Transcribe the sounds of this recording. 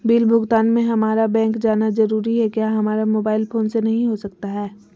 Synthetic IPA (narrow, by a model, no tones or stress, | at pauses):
biːlbʱʊɡt̪aːnmẽɦɐmaːɾabɛ̃ːŋkd͡ʒaːnazɐɾuːɾiɦɛkjaːɦɐmaːɾamoːbaːɪlfoːnsenɐɦĩɦosɐk̚t̪aɦɛː